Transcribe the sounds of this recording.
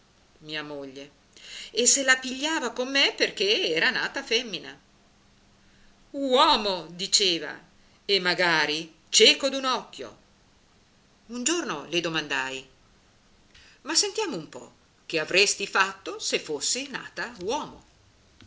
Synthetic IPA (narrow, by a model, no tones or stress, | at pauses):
miːamoʎːe | esːelapiʎːaːvakomːeperk̟eɛːɾanaːt̪afɛmːina | wɔːmod̪it͡ʃeːva̰ | emːaɡaːɾi | t͡ʃɛːkod̪unɔkːjo̰ | und͡ʒornoled̪omand̪aj | masːent̪jaːmoumpɔ̰ | k̟eavɾest̪ifat̪ːosefːosːina̰ːt̪awɔːmo̰